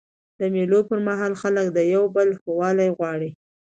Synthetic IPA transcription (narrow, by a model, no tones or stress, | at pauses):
d̪̥əmelopəɾmaɦɑlxalək̚d̪əjawbəlxowɑlajɣwɑɽi